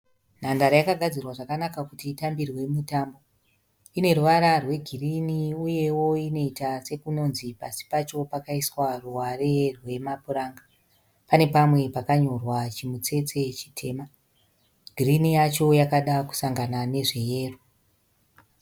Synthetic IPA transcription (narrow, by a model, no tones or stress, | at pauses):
n̤andaɾajakaɡʱad͡zirwaʐakanakakutiːtambirwe̞mutambo̞ | ine̞ruʋaɾarwe̞ɡʱiriniuje̞wo̞ino̞itase̞kuno̞nzipasi̥pat͡ʃo̞pakaiswaruʋare̞rwe̞mapuɾaːŋɡa | pane̞pamwe̞pakaɲo̞rwat͡ʃimut͡se̞t͡se̞t͡ʃi̥tʰe̞ːma | ɡʱirinijat͡ʃo̞jakaɗaku̥saŋɡanane̞ʐe̞je̞ːro